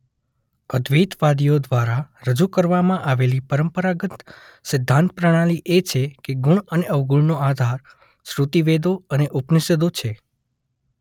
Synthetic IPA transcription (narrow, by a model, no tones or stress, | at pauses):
əd̪ʋit̪ʋad̪ijod̪ʋaɾaɾəd͡ʒukəɾʋamãʔaʋelipəɾəmpəɾaɡət̪ | sɪd̪ʱːãnt̪̚pɾəɽ̃aliʔet͡ʃʰekeɡʊɳəneʔəʋɡuɳnoad̪ʱaɾ | sɾut̪iʋed̪oəneʔupnised̪ot͡ʃʰe